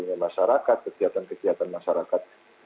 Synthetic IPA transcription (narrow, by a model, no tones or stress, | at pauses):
uɲamaʃaɾakat̪̚kəkiat̪ankəkiat̪anmaʃaɾakat̪̚